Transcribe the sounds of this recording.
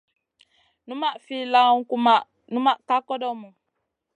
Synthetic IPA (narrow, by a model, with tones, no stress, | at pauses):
nu˦ma˦ʔfi˦la˦ŋ˦ku˦ma˨ | nũ˦ma˦˨ʔka˦kɔ˦dɔ˦mu˨